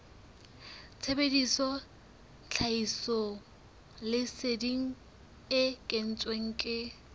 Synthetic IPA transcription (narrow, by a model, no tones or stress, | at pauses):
t͡sʰebedisɔ | t͡ɬʰaisɔ | lɪsediŋ̩ | ɪkʼɪn̩t͡sʼweŋ̩kʼɪ